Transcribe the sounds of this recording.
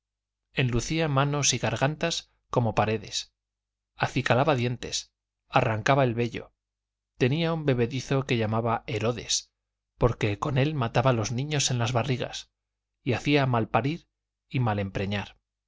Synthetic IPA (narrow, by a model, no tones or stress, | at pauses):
e̞nluθiamãno̞siɣaɾɣant̪as | ko̞mo̞paɾe̞ðe̞s | aθikalaβaðje̞nt̪e̞̰s | araŋkaβaelβe̞ʎo̞̰ | t̪e̞niaumbe̞βe̞ðiθo̞ke̞ʎamaβae̞ɾo̞ðe̞̰s | po̞ɾke̞ko̞ne̞lmat̪aβalo̞znĩɲo̞se̞nlazβariɣa̰s | iaθiamalpaɾiɾ | imale̞mpɾe̞ɲaɾ